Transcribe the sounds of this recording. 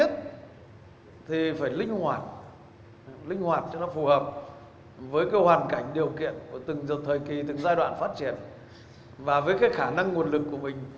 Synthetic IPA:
ə˦˥t̚ | t̪ʰi˨˩faː˧˩jlï˧ŋ̟hwaː˨˩t̚ | lï˧ŋ̟hwaː˨˩t̚t͡ɕɔ˧nɔ˨˦fu˧˨˩həː˨˩p̚ | vəː˨˦jkaː˨˦jhwaː˨˩nka˧˩jŋ̟ɗi˨˩əwkḭ˧˨ənku˧˩ət̪ɨ˨˩ŋzə˨˩t̪ʰəː˨˩jki˨˩t̪ɨ˨˩ŋzaː˧jɗwa̰ː˧˨nfaː˦˥t̚t͡ɕi˧˩ən | vaː˨˩vəː˨˦jkaː˨˦jxaː˧˩na˧ŋːu˨˩ənlɨ˨˩kːu˧˩əmï˨˩ŋ̟

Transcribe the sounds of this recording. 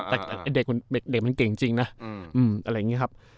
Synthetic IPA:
t̪ɛː˨˩˨ʔa˧jde˨˩k̚ma˧nde˨˩k̚de˨˩k̚ma˧nke˨˩ŋt͡ɕi˧ŋna˦˥ʔʔɯː˨˩mʔa˧ɾa˧˩jːŋi˦˥kʰa˦˥p̚

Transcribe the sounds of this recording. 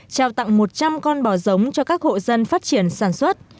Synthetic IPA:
t͡ɕaː˨˩wt̪a̰˧˨ŋmo˨˩t̚t͡ɕa˧mkɔ˧nɓɔ˧˩zə˨˦wŋ͡mt͡ɕɔ˧kaː˦˥k̚ho̰˧˨zə˧nfaː˦˥t̚t͡ɕi˧˩ənsaː˧˩nswə˦˥t̚

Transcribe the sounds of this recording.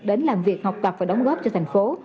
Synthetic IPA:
ɗe˨˦nlaː˨˩mvi˨˩ək̚ha˨˩wk͡p̚t̪a˨˩p̚vaː˨˩ɗɔ˨˦wŋ͡mɣɔ˦˥p̚t͡ɕɔ˧t̪ʰa˨˩jŋ̟fo˨˦

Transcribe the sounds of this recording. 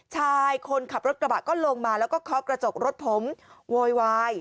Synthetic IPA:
t͡ɕʰaː˥˧˥jkʰo˧nkʰa˨˩p̚ɾo˦˥t̪̚ɾa˧baː˨˩t̪̚kɔː˥˩lo˧ŋmaː˧lɛː˦˥wkɔː˥˩kʰɔ˦˥kɾa˧t͡ɕo˨˩k̚ɾo˦˥t̪̚pʰo˩˦mwoː˧jwaː˧j

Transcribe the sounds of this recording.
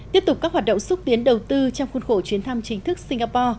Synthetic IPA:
t̪i˦˥əp̚t̪ʊ˨˩k͡pkaː˦˥k̚waː˨˩ɗə̰˧˨ŋ͡msʊ˦˥t̚t̪i˨˦ənɗə˨˩wt̪ɨ˧t͡ɕɔ˧wŋ͡mxu˧nxo˧˩t͡ɕwi˨˦ənt̪ʰa˧mt͡ɕï˨˦ŋ̟t̪ʰɨ˦˥k̚si˧ŋ̟ɣaː˧pɔ˧

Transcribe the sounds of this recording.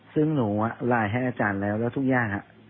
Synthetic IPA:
sɯ˧˥˩ŋnuː˩˦ʔa˧˩laː˨˩˦jɦa˧˩jʔaː˧t͡ɕaː˨˩nlɛː˦˥wlɛː˦˥˩t̪ʰu˦˥k̚jaː˥˩ŋha˧ʔ

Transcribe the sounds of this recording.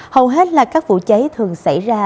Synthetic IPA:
hə˨˩wɦe˦˥t̚laː˨˩kaː˦˥k̚vṵ˧˨t͡ɕe˨˦t̪ʰɨ˨˩əŋsa̰˧˩jzaː˧

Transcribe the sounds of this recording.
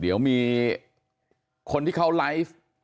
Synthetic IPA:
di˩˦əwmiː˧ | kʰo˧nt̪ʰiː˥˩kʰa˦˥wlaː˦˥jf

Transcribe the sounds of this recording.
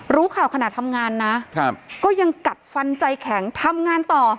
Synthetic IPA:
ɾuː˦˥kʰaː˨˩wkʰa˧naː˨˩t̪ʰːa˧mŋaː˧nːa˦˥˧pkɔː˥˩ja˧ŋka˨˩t̪̚fa˧nt͡ɕa˧jkʰɛ˩˦ŋt̪ʰa˧mŋaː˧nt̪ɔː˨˩

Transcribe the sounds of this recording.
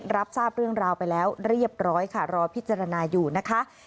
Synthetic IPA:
ɾa˦˥p̚saː˥˩p̚ɾɯ˥˩əŋɾaː˧wpa˧jlɛː˦˥wɾi˥˩əp̚ɾɔː˦˥jkʰa˥˩ɾɔː˧pʰi˦˥t̪̚t͡ɕaː˧ɾa˧naː˧juː˨˩na˦˥kʰa˦˥ʔ

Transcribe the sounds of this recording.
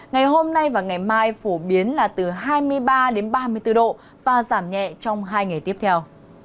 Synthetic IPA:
ŋa˨˩jɦo˧mna˧jvaː˨˩wŋa˨˩jmaː˧jfo˧˩ɓi˨˦ənlaː˨˩t̪ɨ˨˩ɦaː˧jmɨ˧əjɓaː˧ɗe˨˦nɓaː˧mɨ˧əjt̪ɨ˧ɗo̰˧˨ | vaː˨˩zaː˧˩mɲɛ̰˧˨t͡ɕɔ˧wŋ͡mɦaː˧jŋa˨˩jt̪i˦˥əp̚t̪ʰɛ˧w

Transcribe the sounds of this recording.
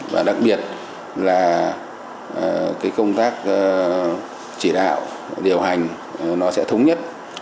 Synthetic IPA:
vaː˨˩ɗa˨˩k̚ɓi˨˩ət̚ | laː˨˩˨ | kaː˨˦jkə˧wŋ͡mt̪aː˦˥k̚ː | t͡ɕi˧˩ɗa̰ː˧˨w | ɗi˨˩əwɦa˨˩jŋ̟˨˩ | nɔ˨˦sɛ̰˧˥t̪ʰə˨˦wŋ͡mɲə˦˥t̚

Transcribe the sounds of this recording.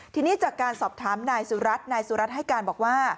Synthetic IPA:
t̪ʰiː˧niː˦˥˩t͡ɕaː˨˩kːaː˧nsɔː˨˩p̚t̪ʰaː˩˦mnaː˧jsuː˩˦ɾa˦˥t̪̚naː˧jsu˨˩˦ɾa˦t̪̚ɦa˥˩jkaː˧nbɔː˨˩k̚waː˥˩

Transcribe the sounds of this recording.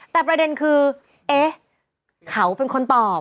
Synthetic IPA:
t̪ɛː˨˩p̬ɾa˧de˧nkʰɯː˧ | ʔeː˦˥ | kʰa˧˦wpe˧nkʰo˧nt̪ɔː˨˩p̚

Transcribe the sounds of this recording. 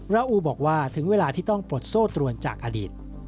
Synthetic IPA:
ɾaː˧ʔuː˧bɔː˨˩k̚waː˥˩t̪ʰɯ˩˦ŋweː˧laː˧t̪ʰiː˥˩t̪ɔ˥˩ŋpɾo˨˩t̪̚soː˥˩t̪ɾu˧ənt͡ɕa̰ː˨˩k̚ʔa˧diː˨˩t̪̚

